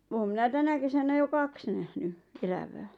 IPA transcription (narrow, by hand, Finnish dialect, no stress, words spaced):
oːm minæ tænæ kesænæ jo kɑks næhny elæʋæː